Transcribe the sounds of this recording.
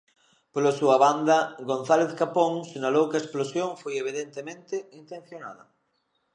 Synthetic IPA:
polasuɐβand̪ɐɡonθaleθkapoŋseɲalowkaesplosjoŋfojeβiðent̪emẽnt̪ɪint̪ẽn̟θjona̰ðɐ̰

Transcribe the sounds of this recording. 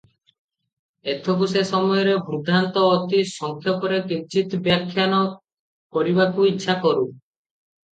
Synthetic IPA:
et̪ʰokusesɔmɔjɔɾebʱud̪ʱant̪ɔːt̪isɔŋkʰjɔpɔɾekit͡ʃit̪bjakʰːjanɔ | kɔɾibakuitːʃʰakɔɾu

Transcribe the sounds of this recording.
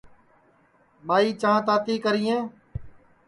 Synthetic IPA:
ɓaːiːt͡ʃãːt̪aːt̪iːkəɾiːẽː

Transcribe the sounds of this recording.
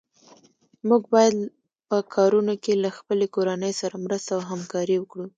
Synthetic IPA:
muɡbɑjad̪ | pəkʰɑɾunokelaxpəlekoɾanəjsaɾamɾəst̪awɦamkɑɾiwəkɽu

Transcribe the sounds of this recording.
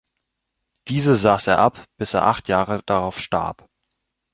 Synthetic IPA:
d̥iːzəzaːseːɐʔapb̥ɪseːɐʔaχtʰjaːʁəd̥aʁaʊfʃta̰ɐp

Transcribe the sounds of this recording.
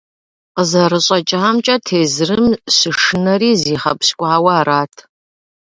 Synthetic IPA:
qəzɐrɨɕʼɐt͡ʃʼɪamt͡ʃʼɐtʰeːzrɨmsɨʂɨnɐriːziːχɐ̰pskʷʼaːwɐaraːtʰ

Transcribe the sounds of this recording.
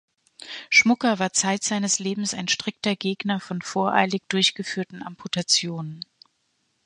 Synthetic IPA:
ʃmʊkɐvaːɐt͡saɪtz̥aɪnəsleːbm̩saɪnʃtʁ̥ɪk̚tɐɡeːɡnɐfɔnfoːɐʔa̰ɪlɪk̚d̥ʊɐçɡ̥əfyːɐtn̩ʔampʰutat͡sjoːnən

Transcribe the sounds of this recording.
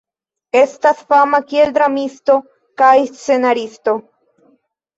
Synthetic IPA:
e̞st̪asfamakield̪ɾamist̪o̞ | kajst͡sse̞naɾist̪o̞

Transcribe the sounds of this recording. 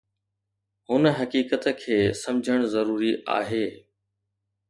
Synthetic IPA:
hʊnəɦɐkiːkət̪ə̆kʰeːsɐ̃md͡ʑʱəɽ̃zɐɾuːɾiʔa̰ːɦeː

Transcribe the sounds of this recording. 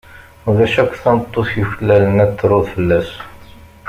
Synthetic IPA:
uðæʃækʷːθænət̪ˤːoθjuçəlːælənæt̪ːɾˤoðˤfəlːæs

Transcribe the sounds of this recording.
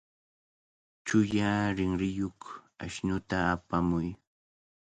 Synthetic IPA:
t͡ʃʊjaɾɪŋɾɪjokaʃnʊt̪aːpamʊj

